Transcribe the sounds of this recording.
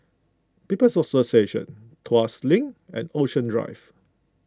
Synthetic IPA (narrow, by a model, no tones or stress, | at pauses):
pipəsɔsoseʃə̰̃n | tʰwaslĩŋɛ̰̃noʃə̃ndɹa̰ɪv